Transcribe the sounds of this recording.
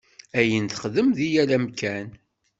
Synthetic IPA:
æjənθəχðəmðijælæmkæn

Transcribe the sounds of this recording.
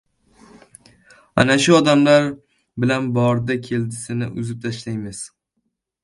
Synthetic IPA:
a̰naʃʊɒd̪amlaɾ | bɪlanbɒɾd̪akʲʰe̞ld̪ɪsɪnɪʔʊzɪp̚t̪ʰaʃlajmɪz̥

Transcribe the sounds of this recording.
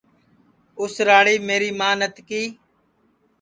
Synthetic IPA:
ʊsɾaːɽiːmeːɾiːmãːnət̪kiː

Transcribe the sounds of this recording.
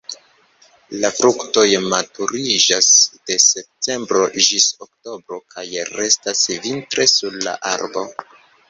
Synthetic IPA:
lafɾukto̞jmatuɾid͡ʒasd̥e̞se̞p̚te̞mbɾo̞ʒisokto̞bɾo̞kʰajɾe̞stasvintɾe̞suɾla̰ʔa̰ɾbo̞

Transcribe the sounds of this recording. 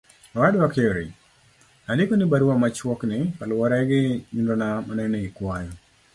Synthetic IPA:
wadwakeɾḭ | nalɪkonɪbaɾuwamat͡ʃwɔknɪpalwɔɾɛɡɪɲundonamanɛnɛikwajɔ

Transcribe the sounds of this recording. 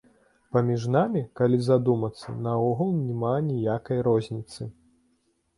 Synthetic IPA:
pɐmʲiʐnamʲikalʲizad̪umɐt̪sːɐ̰nɐɔɣulˠnʲɛmanʲijakɐjɾɔzʲnʲit̪sɨ

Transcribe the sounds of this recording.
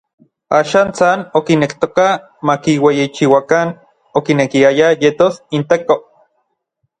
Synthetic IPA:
aːʃaːnt͡sanokinekt̪oka | makiwejit͡ʃiwakan | okinekiajajet̪osint̪eko

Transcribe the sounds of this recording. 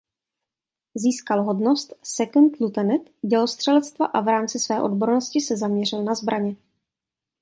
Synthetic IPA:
ziːskalɦo̞dno̞st̪sɛkunt̪lut̪ɛnɪt̪ɟɛlost̪r̝̥ɛlɛt͡st̪vaʔavɾaːmt͡sɪsvɛːʔo̞dbo̞ɾnoscɪsɛzamɲɛr̝ɪlnazbɾʔaɲɛ

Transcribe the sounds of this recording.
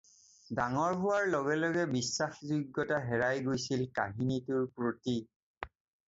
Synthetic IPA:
daŋɔɹɦʊwaɹlɔɡɛlɔɡɛbisːaxzuɡːɔtaɦɛɹajɡojsilka̰ɦinitʊɹpɹoti

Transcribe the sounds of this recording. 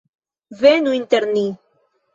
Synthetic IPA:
venuint̪eɾni

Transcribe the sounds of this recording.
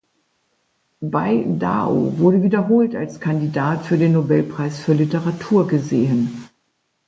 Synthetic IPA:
baɪda̰ːo̰vʊɐɾəviːdɐɦoːlta̰lskʰandidaːtfyːɐdeːnːobɛlpʁ̥aɪsfyːɐlitəʁatʰuːɐɡəzeːən

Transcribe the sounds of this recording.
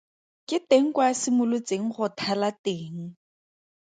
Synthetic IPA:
kʼɪteŋ̩kwasɪmʊlʊt͡seŋ̩χʊtʰalateːŋ̩

